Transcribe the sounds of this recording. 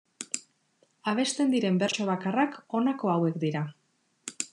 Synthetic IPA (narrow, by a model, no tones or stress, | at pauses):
aβ̞e̞st̪e̞nd̪iɾe̞mbe̞ɾt͡ʃo̞β̞akarako̞nako̞awe̞kd̪iɾa